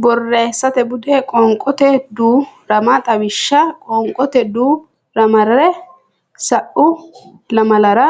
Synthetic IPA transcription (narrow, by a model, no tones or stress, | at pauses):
bɔrːeːsːɐt̪ɛbʊd̪ɛkʼɔŋkʼɔt̪ɛd̪uːɾɐmɐt̪ʼɐwɪʃːɐkʼɔŋkʼɔt̪ɛd̪uː | ɾɐmɐɾɐɾɛ | sɐʔʊ | lɐmɐlɐɾɐ